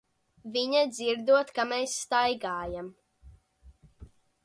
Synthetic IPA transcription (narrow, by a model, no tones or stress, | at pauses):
viɲad̪ziɾd̪uɔt̪kamɛːsːt̪ajɡaːjam